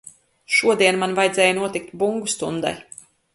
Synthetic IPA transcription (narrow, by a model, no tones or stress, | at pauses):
ʃuɔd̪iɛnmanvajd̪zɛːjanuɔt̪ik̚t̪buŋɡust̪und̪a̰j